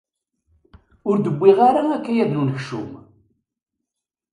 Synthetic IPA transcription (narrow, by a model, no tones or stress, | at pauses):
ʊɾd̪əbʷːiʁaɾaækːæjæðnunəçʃṵm